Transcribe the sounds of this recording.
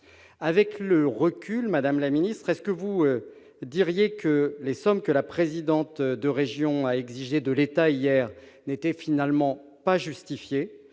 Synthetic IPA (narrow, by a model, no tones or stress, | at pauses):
avɛkləʁəkʲylmad̪amlaminist̪χɛskəvuø | d̪iʁjekəlesɔmkəlapχezid̪ɑ̃t̪d̪əʁeʒjɔ̃aɛɡziʒed̪əlet̪aijɛʁ | net̪ɛfinalmɑ̃ | paʒyst̪ifje